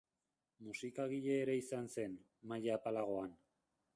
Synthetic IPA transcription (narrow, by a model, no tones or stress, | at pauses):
musikaɣ̞iʎe̞ːɾe̞isanse̞n | majaːpalaɣ̞o̞an